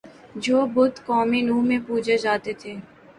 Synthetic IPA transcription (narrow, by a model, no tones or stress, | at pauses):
d͡ʒoːbʊd̪kɔːminuːmẽpuːd͡ʒed͡ʒaːt̪et̪ʰeː